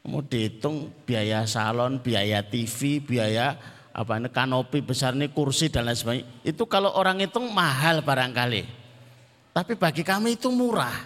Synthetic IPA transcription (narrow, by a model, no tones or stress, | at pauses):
mo̰ɖ̥et̪ʊŋb̥iajasa̰lɔnb̥iajat̪ifib̥i̤aja | ʔa̰painəkanopib̥ə̤sarnikursid̪̥alansbaɲit̪ukaloʔoɾaŋit̪ʊŋmaɦalpaɾaŋkalḛ | t̪apib̥a̤ɡikameit̪umuɾah